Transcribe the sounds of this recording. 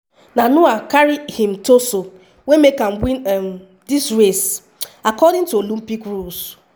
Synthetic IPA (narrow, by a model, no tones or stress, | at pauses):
nanʊakaɾihĩm̩toso | wemekam̩bĩnm̩ | disɾes | akɔdɪ̃tuolum̩pikɾus